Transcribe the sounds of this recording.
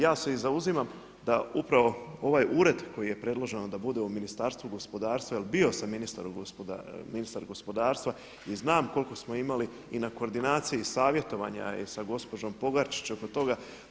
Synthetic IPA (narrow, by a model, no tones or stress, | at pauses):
jaːse̞izauzimam | d̪aupɾaʋo̞o̞ʋajuːɾe̞d̪ko̞jije̞pɾe̞d̪lˠo̞ʒe̞nod̪abud̪e̞uminist̪aːɾst̪ʋuɡo̞spo̞d̪aːɾst̪ʋailibio̞saminist̪a̰ɾoopoa̰minist̪aɾɡo̞spo̞d̪aːɾst̪ʋa | iznaːmko̞lko̞smo̞imali | inako̞ːɾd̪inaːt̪sijisaːʋje̞t̪o̞ʋaɲa̰esaɡo̞spo̞d͡ʒo̞mpo̞ɡaɾt͡ʃi̥t͡ɕo̞ko̞t̪o̞ɡa